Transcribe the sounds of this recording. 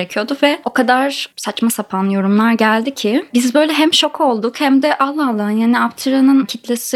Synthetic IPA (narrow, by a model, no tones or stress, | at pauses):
ɾecʰijo̞d̪uvɛo̞kʰad̪aɾsat͡ʃmasapʰanjo̞ɾumlˠaɾɟælʲd̪icʰɪbizbø̞jlʲɛɦæmʃo̞kʰao̞lˠd̪ukhæmd̪ɛʔalˠːaalˠːaɦɯnjaːniapt̪ʰɯɾanɯncʰit̪lʲesi